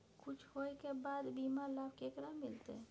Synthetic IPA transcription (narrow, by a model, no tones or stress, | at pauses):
kʰʊt͡ʃʰhoːekebaːd̪biːmalaːb̚kekɾamɪlt̪ḛ